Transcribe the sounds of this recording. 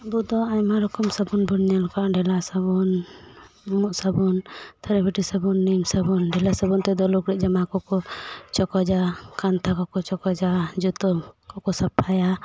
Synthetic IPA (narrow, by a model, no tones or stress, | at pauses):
bud̪ɔaɲmaɾɔkɔmsabunbunnɛalkaʔɖɛlasabɔn | muʔsabɔnt̪ʰaɾɛbiʈisəbunːimsabunɖɛlasəbunt̪ɛd̪ɔlukɾɛʔd͡ʒamakɔkɔt͡ʃɔkɔd͡ʒakant̪ʰakɔkɔt͡ʃɔkɔd͡ʒad͡ʒut̪ɔkɔkɔsapʰaja